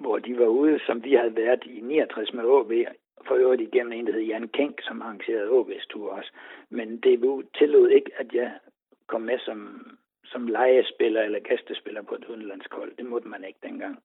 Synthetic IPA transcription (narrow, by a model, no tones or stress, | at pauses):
ʋɒd̥iʋɑ̈uːð̞ˠsɒ̽mʋihæðˠʋæɐd̥ˠinḭːɐt͡sʰʁasmeɔ̰ːb̥e̝̰ː | fɒøɐd̥ˠiɡ̥em̰mn̩e̝nd̥ehe̝ð̩ˠjæɐnkʰeŋ̰ɡ̥sɒ̽mɑ̈ɑ̈ŋɕe̝̰ːɐð̞ˠɔ̰ːb̥e̝ːst͡sʰṵɐ̰ɒ̽smend̥e̝ʋut͡sʰe̝le̝ð̩ˠe̝ɡ̥æd̥jɑ̈ɪ | kʰɒ̽m̰ːesɒ̽m | sɒ̽mlɑ̈ɪəsb̥e̝lɐelɐɡ̥æsd̥əsb̥e̝lɐpʰɒ̽e̝d̥uð̞ˠn̩læn̰sɡ̥hɒ̽l̰d̥e̝mɔ̽d̥əmæne̝ɡ̥̚d̥enɡ̥ɑ̈ŋ̰